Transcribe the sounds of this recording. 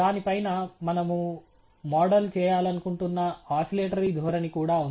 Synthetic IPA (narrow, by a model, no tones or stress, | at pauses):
aːnipɐjnɐmɐnɐmu | mɔːɖɐlt͡ʃɛːjaːlɐnukuɳʈunːɐaːsileːʈɐɾid̪ʱɔːɾɐnikuːɽaːun